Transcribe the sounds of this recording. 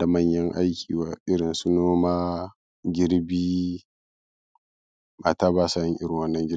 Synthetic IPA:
da˨mɐ˦ɲjɐ˦ŋʔa˦jkʲʰiː˨waː˨ʔɪ˦ɽɪ˨nsu˦noː˦maː˦ | ɡʲɪ˦ɽbiː˦ | maː˨taː˦baː˦sa˦jɪ˦ŋʔɪ˦ɽɪ˨ŋwɐ˦nːɐ˦ŋɡʲɪ˦

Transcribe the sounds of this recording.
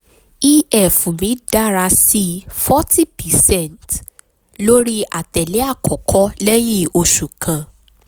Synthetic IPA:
i˦ɛ˦˨fũ˨mĩ˨˦da˦ɾa˧si˦fɔ˦ti˦pɛ˨sɛ̃˦˨nt | lo˦ɾi˦a˨tɛ˨lɛ˨˦a˦˨kɔ˨kʰɔ˦lɛ˦j̃ĩ˦o˧ʃu˨kʰã˨

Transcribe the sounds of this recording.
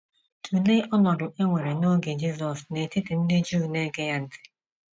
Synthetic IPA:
tʰu˨le˦ʔɔ˦nɔ˨dʊ˨ʔe˦ŋʷe˨ɾe˨no˦ɡe˨d͡ʒi˦s̬ɔ˨sne˨tɪ˦ti˨n̩˦de˦d͡ʒuː˦˨ne˦ɡe˦ja˦n̩˨˦tɪ̥˨

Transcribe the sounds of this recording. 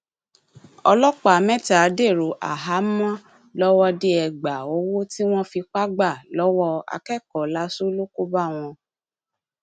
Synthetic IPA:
ɔ̰˧lɔ˦k͡pa˦˨mɛ̃˦ta˨˦de˦˨ɾu˨ʔa̰˨ɦa˨˦mã˦ | lɔ˦wɔ˦de˦ɛ˨ɡ͡ba˨o˨˦wo˦ti˦w̃ɔ̃˦fi˧k͡pa˦ɡ͡ba˦˨lɔ˦wɔ˦a̰˧kɛ˦˨kɔ˨la˧˦su˦lo˦ku˦ba˦˨w̃ɔ̃˧

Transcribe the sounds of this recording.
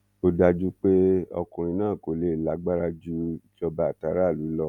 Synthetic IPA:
o˧da˧d͡ʒu˦k͡pe˦ɔ̰˧kũ˨ɾ̃ĩ˧nãː˦˨ko˨le˦˨la˨˦ɡ͡ba˦ɾa˧d͡ʒu˦i˦d͡ʒɔ˧ba˨ta˨˦ɾa˦˨lu˨˦lɔ˦˨

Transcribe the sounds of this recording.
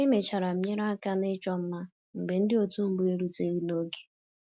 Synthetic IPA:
e˦me˨t͡ʃa˨ɾa˨m̩˨mɲe˦ɾa˦a˦ka˦nɪ˦t͡ʃɔ˦m̩˦ma˦ | m̩˨be˨n̩˦dɪ˦o˦tu˦m̩˦bʊ˦e˦ɾu˦te˦ɣi˦no˦ɡe̥˦

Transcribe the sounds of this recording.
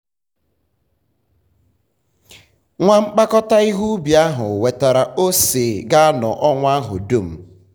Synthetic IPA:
ŋʷa˦ŋ͡m̩˦k͡pa˦kɔ˦ta˦i˦ɦu˦bja˦ɦʊ˨we˨ta˨ɾa˨ʔo˦seː˨ɡa˦a˦nɔ̰˨ʔɔ˦ŋʷ˦a˦ɦʊ̰˨do˦˨m̩˨

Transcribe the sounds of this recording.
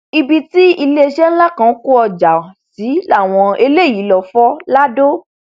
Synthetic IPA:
i˧bi˧ti˦i˧le˦e˧ʃɛ˦n̩˦la˦kã˧˦ku˦ɔ˧d͡ʒa˨si˨˦a˦˨w̃ɔ̃˧e˧le˦˨ji˨˦lɔ˨fɔ˦la˦do˦

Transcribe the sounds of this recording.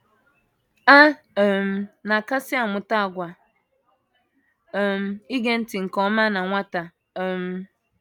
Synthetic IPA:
a˦˨ | m̩˨na˨ka˦sɪ˦a˨mʊ˨ta˦a˨ɡʷa˨ | m̩˨i˦ɡe˦n̩˦ti˨ŋ̩˨kɔ˦ma˦na˨ŋʷa˦ta˨ | m̩˨˦

